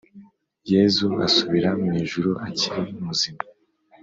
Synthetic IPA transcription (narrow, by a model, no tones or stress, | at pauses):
jezua̰suβiɾamŋiːʒuɾuʔaciɾiumuzima